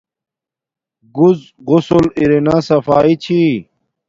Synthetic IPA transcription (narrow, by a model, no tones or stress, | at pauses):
ɡuz | ʁusuliɾinasɐfaːit͡ɕʰi